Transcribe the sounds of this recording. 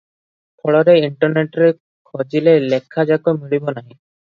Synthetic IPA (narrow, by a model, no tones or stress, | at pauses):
pʰɔɭɔɾeiɳʈɔɾneʈɾe | kʰɔd͡ʒilelekʰːad͡ʒakɔmiɽibɔnaɦĩ